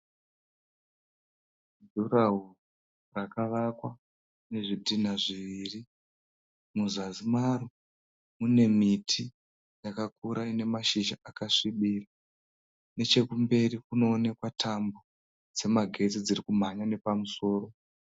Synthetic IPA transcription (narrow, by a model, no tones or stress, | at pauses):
duraɦu | rakaʋakwa | ne̞ʐidʱinaʐiʋiri | muzazimaru | mune̞mitʰi | jakakuɾaine̞maʃiʒaʔakaʂiɓira | ne̞t͡ʃe̞kumbe̞rikuno̞ːne̞kwatʰambo | d͡ze̞maɡʱe̞t͡sid͡zirikum̤aɲane̞pamuso̞ːro̞